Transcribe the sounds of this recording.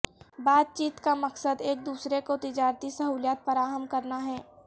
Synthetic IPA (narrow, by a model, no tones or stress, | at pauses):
baːt̪̚t͡ʃiːt̪kamɐksəd̪eːk̚d̪uːsɾekot̪ɪd͡ʒaːɾt̪isɐɦuːljaːt̪fɐɾaːɦəmkɐɾnaɦɛː